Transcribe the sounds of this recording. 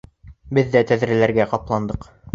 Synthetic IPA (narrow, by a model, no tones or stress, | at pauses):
bɘðːæt̪æðɾælæɾɡæqɑplˠɑnd̪ɤq